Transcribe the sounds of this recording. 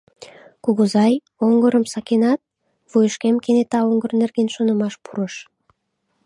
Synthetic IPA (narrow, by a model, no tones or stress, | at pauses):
kuɣuzɑj | oŋɡoɾə̆msɑkʲenɑt̪̚ | vujəʃkʲemkenet̪ɑoŋɡə̆rnerɡenʃonə̆mɑʃpʰuɾəʃ